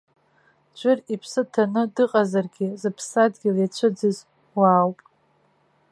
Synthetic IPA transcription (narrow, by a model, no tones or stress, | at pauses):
t͡ʃʷʼʊripʰsɨtʰanɨdɨqʼazarɡʲɪzɨpʰsadɡʲɪljat͡ʃʷʰɨd͡zɨz | waːwpʼ